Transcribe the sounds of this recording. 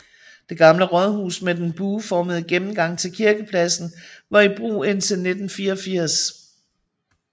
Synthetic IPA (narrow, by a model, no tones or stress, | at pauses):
d̥e̝ɡ̥ɑ̈mləʁɒðˠhṵːsmed̥enb̥uːfɒːməð̞̩ˠəɡ̥emm̩ɡ̥ɑ̈ŋ̰t͡sʰe̝lkʰiɐɡ̥əpʰlæsn̩ʋɑ̈ib̥ʁṵːe̝n̰t͡sʰe̝lne̝d̥n̩fiːɐɒfiɐ̰s